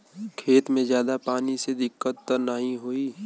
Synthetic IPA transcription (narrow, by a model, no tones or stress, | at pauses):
kʰeːt̪mẽzjaːd̪apaːnised̪ɪkːət̪ːəɾnəɦĩɦoːiː